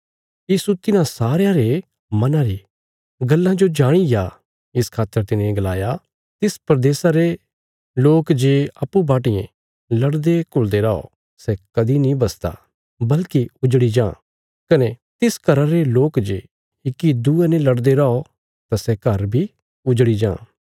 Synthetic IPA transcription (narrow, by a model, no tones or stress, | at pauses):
jiːsut̪ɪnãsaːɾjãɾe | mɐnãɾi | ɡɐlːãd͡ʒod͡ʒaːɽ̃ija | ɪskʰaːt̪ːəɾt̪ɪnẽɡəlaːja | t̪ɪspɾɐd̪eːsaɾe | loːkd͡ʒeːɐpːubaːʈɪjḛ̃ | lɐɽd̪ekʊld̪eɾao̰ | sɛkɐd̪inĩbɐst̪a̰ | bɐlkiʊd͡ʒɽid͡ʒãː | kɐnet̪ɪskɐɾaɾeloːkd͡ʒeː | ɪkːid̪uːẽnẽlɐɽd̪eɾao | t̪asɛkɐɾbʱi | ʊd͡ʒɽid͡ʒã̰ː